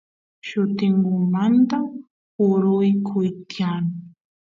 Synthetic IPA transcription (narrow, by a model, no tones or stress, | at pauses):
ʃʊt̪ɪŋɡʊmant̪a | ʊɾʊjkʰʊjkʰaŋ